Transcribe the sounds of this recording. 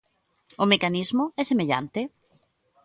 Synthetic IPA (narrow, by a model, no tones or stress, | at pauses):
ʊmekanizmʊɛsemeʎa̰nt̪ɪ